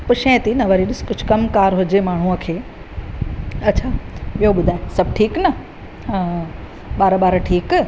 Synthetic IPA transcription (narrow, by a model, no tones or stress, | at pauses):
pʊʃẽt̪inɐʋɐɾiɗɪskʊd͡ʑʱkɐmkaːɾɦʊd͡ʑemaːɳ̤ũəkʰeː | ɐtːt͡ɕʰaɓijoɓʊd̪ʱaːesɐb̚ʱʈʰiːknɐ | ɓaːɾɓaːɾʈʰiːk